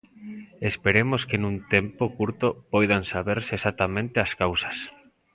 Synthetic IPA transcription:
espeɾemoskenũnt̪empokuɾt̪opojðansaβeɾseesat̪amẽnt̪easkawsḁs

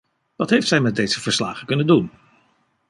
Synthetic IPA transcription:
ʋɑtɦejftsɛjmɛt̚dejz̥əv̥əɹslaːχəkɵnəndun

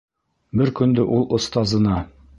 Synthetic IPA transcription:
bɘɾkɵ̆nd̪ɘʔulˠʔŏst̪ɑzɤ̆nɑ

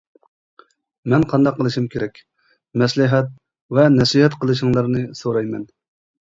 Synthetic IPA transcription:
mɛnqʰɑnd̪ɑqʰːəlˠɨʃimkʲʰeɾɛkʲ | mɛslɪɦɛt̪̚ | vɛnɛsiɦɛt̪qʰəlˠɨʃɨŋlˠɑɾnɨsoɾɑjmɛn

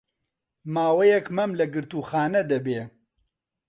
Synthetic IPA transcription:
maːwɐjɛkmɐmlɐɡɨɾt̪uːxaːnɐd̪ɐbeː

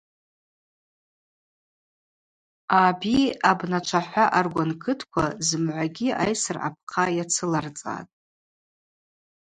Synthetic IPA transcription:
abiabnat͡ʃʷʰaħʷaʔarɡʷankʰɨtʰkʷʰazɨmʕʷaɡʲiajsɨrʕa̰p̚ʰqʰajat͡sʰɨlart͡sʼa̰tʼ

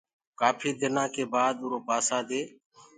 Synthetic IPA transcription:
kaːpʰiːd̪ɪnãːkeːbaːd̪ʊːɾoːpaːsaːd̪eː

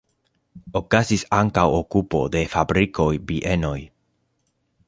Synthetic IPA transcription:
okasisaŋkawokupo̰ðefabɾikojbiʔenoj

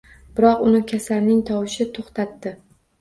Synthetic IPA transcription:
b̥ɪɾɒqʊnɪkʲʰasaɾnɪŋt̪ʰɒwɪʃɪt̪ʰoχt̪at̪ːɪ

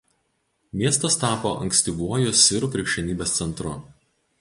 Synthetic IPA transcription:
mʲiɛst̪ɐst̪ɑːpoːʔɐ̰ŋksʲt̪ʲɪʋuɔjʊsʲɪɾuːˑpʲɾʲɪkʃʲɛnʲiːbʲeːst̪sʲɛnˑt̪ɾʊ̰

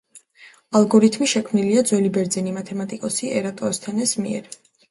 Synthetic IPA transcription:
alˠɡɔɾit̪ʰmiʃɛkʰmniliad̪zwɛlibɛɾd̪zɛnimat̪ʰɛmat̪ʼikʼɔsiʔɛɾat̪ʼɔɛst̪ʰɛnɛsmiɛ̰ɾ

